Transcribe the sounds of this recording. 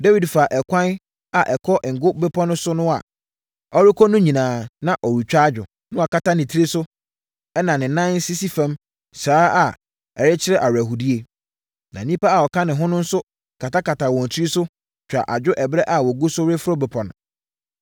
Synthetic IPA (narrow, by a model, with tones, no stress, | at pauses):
da˦wi˨dfaː˨ʔɛ˨kʷʰã˦n | a˨ʔɛ˨kʰɔ˦ʔŋ̩˨ɡʊ˦bɛ˦pʰɔ̃˦nʊ̃˦sʊ˦nʊ̃˦a̰˨ | ɔ˦ɾɪ˦kʰɔ˦nʊ̃˦ɲĩ˨nãː˨nã˦ʔɔ˨ɾu˨t͡ɕᶣa˦d͡ʑᶣʊ˨ | nʊ̃˦a˨ka˦ta˦nɪ̃˨tʰi˦ɾe˦sʊ˦ | ɛ˦nã˨nɪ̃˨nã˦n˦si˦si˦fã˦m | saː˦a˨ | ɛ˨ɾɪ˦t͡ɕʰɪ˦ɾɛ˦ʔa˨wæ˨ɦu˨di˦e˨ | nã̰˨nĩ˦pa˦a˨ɔ˨kʰã˦nɪ̃˨ɦʊ̃˦nʊ̃˦n̩˦sʊ˦ | kʰa˨ta˦ka˨tʰa˨wɔ̃˨n˨t͡ɕʰɾi˦sʊ˦ | t͡ɕᶣa̰˨ʔa˨d͡ʑᶣʊ˦ʔɛ˨bɾɛ˦ʔa˨wɔ˨ɡu˦sʊ˦wɾe˦fʊ˦ɾɔ˦bɛ˨pʰɔ̃˨nʊ̃˨